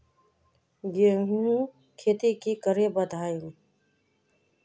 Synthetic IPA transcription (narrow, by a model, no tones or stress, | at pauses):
ɡeːɦũ | kʰeːt̪ikikəɾebəd̪ʱaːjim